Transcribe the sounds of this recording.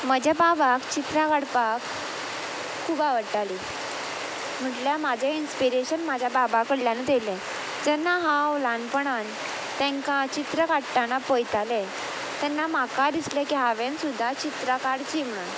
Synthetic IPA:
məd͡ʑʱababakt͡ɕit̪ɾakaɽpak | ubaʋəɽʈali | m̤əʈljamad͡ʑʱeinspiɾeɕənmad͡ʑʱababakəɽljanet̪elɛ̃ | d͡zɛnːaɦãwlanpəɽan | t̪ɛ̃ŋkat͡ɕit̪ɾəkaɽʈanapojt̪alɛ | t̪ɛnːamakad̪islɛkiɦaʋẽnsud̪ʱːat͡ɕit̪ɾəkaɽt͡ɕiːm̤əɽun

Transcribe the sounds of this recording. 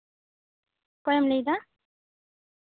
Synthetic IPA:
kɔjɔmlejd̪a

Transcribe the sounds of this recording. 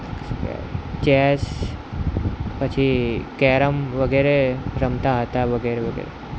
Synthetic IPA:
kt͡ɕɛs | pət͡ɕʰikɛɾəmʋəɡeɾeɾəmt̪aɦət̪aʋəɡeɾeʋəɡḛːɾḛ

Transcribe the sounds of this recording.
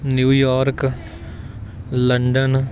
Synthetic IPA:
njuːjaːɾk | lɐɳɖən

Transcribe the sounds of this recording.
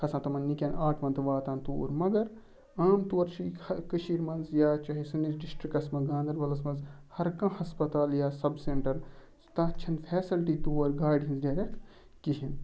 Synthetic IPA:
kʰɐsãːt̪ɐmɐnnikʲeːnaːʈʰʋɐnt̪ʋaːt̪aːnt̪uːɾmɐɡɐɾ | aːmt̪uɐɾt͡ʃʰiɐkɨʃiːɾmɐnzjaːt͡ʃɐɦisɨnisɖisʈɾikɐsmɐɡãːnd̪ɐɾbɐlɐsmɐnzhɐɾkãːhɐspɐt̪aːljaːsɐbseɳʈɐɾ | t̪ɐ̃t͡ʃʰɐnpʰɛːsɐlʈiːt̪uːɐɾɡaːɖɦinzɖaːɾʲekʈ | kiɦin

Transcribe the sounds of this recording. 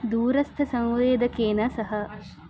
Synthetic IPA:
d̪uːɾɐst̪ʰɐsɐ̃ŋʋeːd̪ɐkeːnɐsɐɦɐ

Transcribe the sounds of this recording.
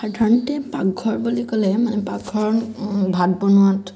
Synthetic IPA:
aɹdʱaɹɔntɛpaɡ̚ɡʱɔɹbulikɔlɛmanɛpaɡɡʱɔɹbʱad̚bɔnʊwat

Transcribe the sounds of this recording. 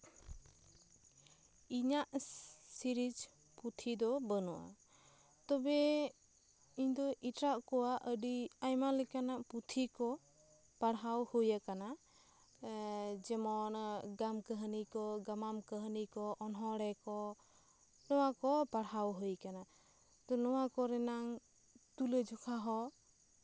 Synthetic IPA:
iɲaʔsiɾid͡ʒ | put̪ʰid̪ɔbənɔʔa̰ | t̪ɔbɛ | iɲd̪ɔʔiʈɾaʔkɔwaʔəɖiajmalɛkanaʔput̪ʰikɔ | paɽɦawhujakana | d͡ʒɛmɔnɡamkəɦənikɔɡamamkəɦənikɔʔɔnɦɔɽɛkɔ | nɔwakɔpaɽɦawɦujkana | t̪ɔnɔwakɔɾɛnaŋ | t̪uled͡ʒɔkʰaɦɔ

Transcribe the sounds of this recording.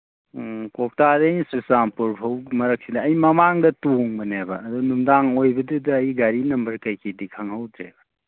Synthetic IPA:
kɔk̚tadejsusampuɾbʰʱɐwmɐɾɐk̚sidɐːjmɐmaŋdɐtuŋbɐnebɐ̰ːdunumdaŋojbɐdudɐːjɡaɾinɐmbɐɾkɐjkʰidikʰaŋɦawdɾḛbɐ

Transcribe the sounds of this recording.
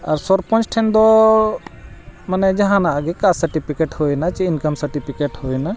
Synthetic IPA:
aɾsɔɾpɔ̃nt͡ʃʈʰɛnd̪ɔ | manɛd͡ʒaɦãnaʔaɡɛkasəɾʈipʰikeʈhujnat͡ʃɛinkamsəɾʈipʰikeʈhojna

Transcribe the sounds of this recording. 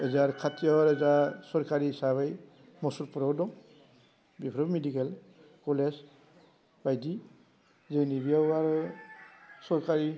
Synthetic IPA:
ɛzaɹkʰatijɔɾɛzasɔɹkaɹisabaj | mɔsuɾpuɾɔwdɔ | bipʰɾɔbmedikɛl | kɔlɛs | b̥ajdi | zenibijaaɾ | sɔɹkaɹi

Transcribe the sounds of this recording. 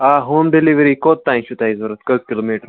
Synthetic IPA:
aɦoːmɖiliʋɾikot̪ːãj̃ɕut̪aizʋəɾət̪kək̚kiloːmiʈəɾ

